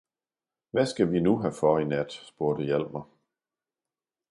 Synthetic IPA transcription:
ʋæsɡ̥æʋinuɦæfɒinæd̥sb̥oɐd̥əjæl̰mɐ

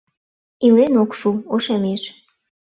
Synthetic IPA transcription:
ilenokʃuoʃɑmeʃ

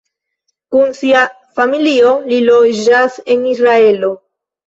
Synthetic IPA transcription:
kunsia | familio̞lilod͡ʒase̞nisɾae̞lo̞

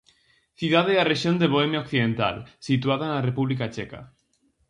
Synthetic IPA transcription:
θjuðaðeareʃjond̪eβoemjaokθiðẽnt̪a̰lsit̪uaðaenarepuβlikat͡ʃeka̰

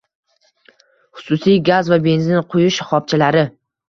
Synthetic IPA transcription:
χʊ̥sʊsijɡazvabe̞nzɪnqʰʊjʊʃχɒp̚t͡ʃʰɪlaɾɪ

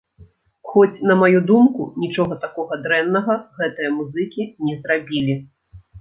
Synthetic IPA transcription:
xɔt͡sʲnɐmajud̪umkunʲit͡ʂɔɣɐt̪akɔɣɐd̪ɾɛnːɐɣɐɣɛt̪ɨjɐmuzɨkʲinʲɛzrabʲilʲi

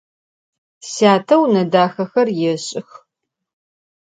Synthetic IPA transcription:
saːtʰɐwnɐdaːxɐxɐrjɛɕʼɪx

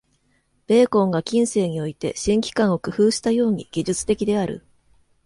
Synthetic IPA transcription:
b̥e̞ːkõ̞ŋɡakʲĩɰ̃se̞ːɲ̟io̞it̪e̞̰ɕĩŋkʲi̥kãɰ̃o̞kɯ̟ɸɯːɕi̥t̪ajo̞ːɲ̟ḭɡ̥ʲiʑɨt͡sɨ̥t̪e̞kʲid̪e̞aɾɯ̟̰

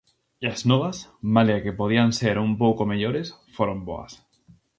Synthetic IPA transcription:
iaznoβasmaleakepoð̞ianseɾumpowkomeʎoɾesfoɾombo̰a̰s

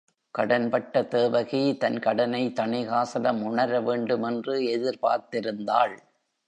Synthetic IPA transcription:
kɐɽɐnpɐʈːɐt̪eːʋɐɣit̪ɐnkɐɽɐnɐɪt̪ɐɳɪɣaːsɐlɐmʊɳɐɾɐʋeːɳɖɯmɛndrɯɛðɪɾpa̰ːɾt̪ɪɾɯnd̪aːɭ

